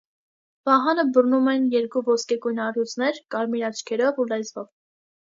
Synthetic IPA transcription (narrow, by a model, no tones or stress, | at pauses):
vɑɦɑnəbərnumɛnjɛɾkuvɔskɛkujnɑrut͡sʰnɛɾkɑɾmiɾɑt͡ʃʰkʰɛɾɔvulɛzvɔv